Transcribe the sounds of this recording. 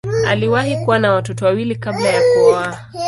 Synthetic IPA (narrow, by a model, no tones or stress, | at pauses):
aliwaɦikuwanawatɔtɔwawilikablajakɔaa